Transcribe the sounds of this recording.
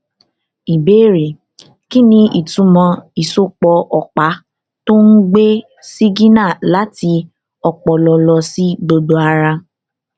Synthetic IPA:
i˨beː˨˦ɾe˨ | ki˦nĩ˧i˨tũ˨˧˦mɔ̃˧i˨so˦k͡pɔ˧ʔɔ˨k͡pa˨˦ | to˦n̩˦ɡ͡be˦ | si˦ɡĩ˦nã˦˨la˨˦ti˧ | ɔ˨k͡pɔ˨lɔ˧lɔ˧si˦ɡ͡bo˧do˧a˧ɾa˧

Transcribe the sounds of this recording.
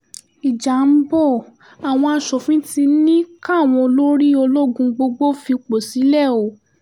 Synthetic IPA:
i˨d͡ʒa˨m̩˦bɔ˦˨ | a˨w̃ɔ̃˧a˧˦ʃɔ˨fĩ˦ti˧˦nĩ˦ka˦˨w̃ɔ̃˧lo˦ɾi˦o˧lo˦ɡũ˧ɡ͡bo˧ɡ͡bo˦fi˧k͡po˨si˨˦lɛ˦˨o˨

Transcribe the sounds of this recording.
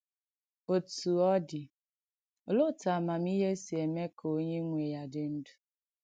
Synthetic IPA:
o˨tu˨ɔ˦dɪ˨ | lʊ˦˨ta˨ma˨m˦i˦ɦe˦si˨e˨me˦kʰo˦ɲe˦ŋʷe˨ja˨dɪ˨n̩˦du˨

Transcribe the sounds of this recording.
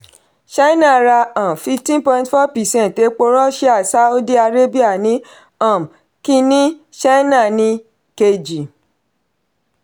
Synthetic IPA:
ʃa˦i˦nã˦˨ɾa˧ã˨m˨fi˧ftĩ˦npɔ̃˧ĩntfɔ˦pɛ˨sɛ̃˦n˨te˨˦k͡po˧ɾɔ˦ʃe˦a˦˨sa˦u˦di˦a˧ɾe˦bi˦a˦˨nĩ˨˦ | ã˦˨m | ki˧nĩ˦ | ʃa˦nã˦˨nĩ˧ | ke˧d͡ʒi˨

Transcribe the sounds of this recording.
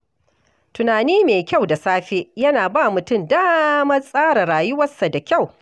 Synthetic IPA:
tʊ˨naː˨niː˦meː˨kʲa˦˨wda˨saː˦ɸe˦jɐ˦naː˨baː˦˨mʊ˨tʊ˦˨mdaː˦mɐ˦sʼaː˦ɽa˨ɽaː˨jʊ˦wɐ˦sːa˨da˨kʲa˦˨w

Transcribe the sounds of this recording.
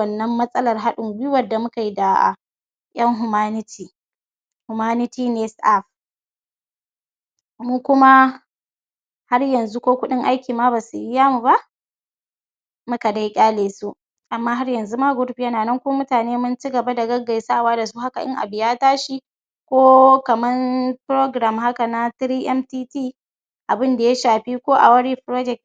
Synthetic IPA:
ɐ˦nːɐ˦mːɐ˦sʼɐ˦lɐ˨rɦa˦ɗʊ˨ŋɡi˦wɐ˨da˨mʊ˦ka˨ji˦da̰˨ | jɐ˦ŋɦʊ˨maː˦nɪ˦tʰiː˨ | hʊ˨maː˦nɪ˦tiː˦ne˨sʔa˦˨ɸ | muː˦kʷʊ˦ma˦ | ha˦rjɐ˨nzu˦kʷoː˦kʷʊ˦ɗɪ˦ŋʔa˦jkʲiː˨maː˦baː˨su˨ji˦jaː˦mu˨ba˦ʔ | mʊ˦ka˨da˦jkʲʼaː˦leː˨su˦ʔ | ʔa˨mːaː˦ɦa˦rjɐ˨nzu˦maː˦ɡʷʊ˦ɽɸi˦jɐ˦naː˨nɐ˦ŋkʷoː˦mʊ˦taː˨neː˦mʊ˦nt͡ʃi˦ɡɐ˨ba˦da˨ɡɐ˦ɡa˨jsa˦˨waː˦da˨su˦ha˦ka˨ʔɪ̰˦ŋʔa̰˨bɪ˨jaː˦taː˦ʃi˦ | kʷoː˦kɐ˨mɐ˦npɾoː˦ɡɾa˨mɦa˦ka˨na˦tɾiː˦ʔɛ˦mtiː˦tiː˦˨ | ʔa˨bɪ˦nda˨ja˦ʃaː˨ɸi˦kʷoː˦ʔa̰˨wɐ˦ɽiː˦pɾoː˦d͡ʒɛ˨k̚t

